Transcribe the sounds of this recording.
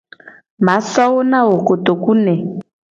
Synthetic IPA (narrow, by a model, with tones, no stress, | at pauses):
ma˨˦sɔ˦ɔ˦na˦ɦo˨ko˨to˨ku˦nɛ˨